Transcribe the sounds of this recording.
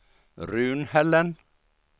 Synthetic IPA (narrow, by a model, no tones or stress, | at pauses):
ɾʉːnhɛlːən